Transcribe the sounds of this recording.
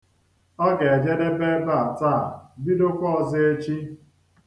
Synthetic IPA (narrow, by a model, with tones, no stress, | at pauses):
ɔ˦ɡe˨d͡ʒe˦de˦be˦ba˦a˨taː˦˨bi˦do˦kʷɔ˦ɔ˨zɪ˦e˦t͡ʃi˦